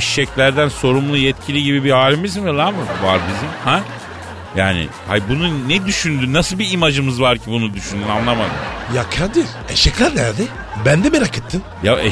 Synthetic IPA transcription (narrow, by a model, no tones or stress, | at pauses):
ɛʃʃɛclʲæɾd̪ænso̞ɾumlˠujɛt̪cʰilʲiɟibibihaːlʲimizimvɛlˠaːmɯva̰ɾbizimhæ | jaːnɪ̰hajbununɛd̪yʃynd̪ynnasɯlˠbiːmad͡ʒɯmɯzvaɾcʰibunud̪yʃynd̪ynanlˠamad̪ɯ̰mjakʰaɾd̪ɯl | ɛʃɛclʲæɾnæɾd̪ɛ | bænd̪ɛmɛɾakʰɯt̪ʰːɯnjaɛ